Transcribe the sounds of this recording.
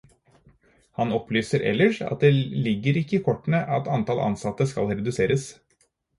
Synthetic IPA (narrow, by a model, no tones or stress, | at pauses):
hɑnɔplyːsəɾʔɛ̰lːəʂɑ̰t̪̚d̪elɪɡːəɾɪkːəɪːkʰɔʈːɳ̩əʔɑt̪ɑnt̪ʰɑːlʔɑ̰nsɑt̪əskɑ̰lɾɛd̪ʉseːɾəs